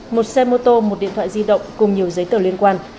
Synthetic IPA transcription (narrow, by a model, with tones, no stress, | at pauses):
mo˨˩t̚sɛ˧mo˧t̪o˧mo˨˩t̚ɗḭ˧˨ət̪ʰa̰ː˧˨zi˧ɗə̰˧˨wŋ͡mkʊ˨˩ŋ͡mɲi˨˩əwzə˨˦jt̪əː˨˩lwi˧ənkwaː˧n